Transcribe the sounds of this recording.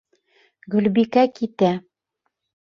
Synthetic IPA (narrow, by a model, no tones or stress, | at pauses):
ɡɵ̆lbikækit̪æ